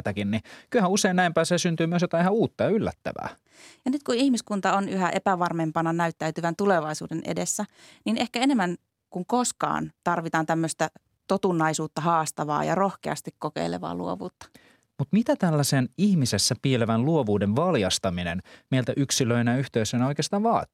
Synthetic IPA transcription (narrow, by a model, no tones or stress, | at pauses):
t̪ækinnikylhæuseinnæimpæːseːsynt̪yːmyøsjot̪ɑehæuːt̪ːɑylːæ̰t̪ːæ̰ʋæ̰ː | jɑnyt̪̚kuihmiskunt̪ɑonyɦæʔepæʋɑrmempɑnɑnæyt̪ːæyt̪yʋænt̪uleʋɑisṵːdenʔḛdesːæninʔehkæenemːæn | kuŋkoskɑ̰ːnt̪ɑrʋit̪ɑːnt̪æmːøst̪æ | t̪ot̪unːɑisuːt̪ːɑhɑːst̪ɑʋɑ̰ːjɑ̰rohkeɑ̰st̪ikkokḛilḛʋɑ̰ːlṵoʋuːt̪ːɑ̥ | mut̪mit̪æt̪ælːæsenihmisesːæpieleʋænluoʋuːdeʋʋɑljɑst̪ɑminenmeilt̪æʔyksiløinæyht̪eysøinæoikeɑst̪ɑːʋʋɑːt̪i̥